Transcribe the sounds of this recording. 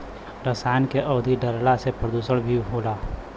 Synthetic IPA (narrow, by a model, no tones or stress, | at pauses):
ɾəsaːɪnkeʔɔːd̪ʱiɖəɾlasepɾəd̪uːsəɽbʱiɦoːlaː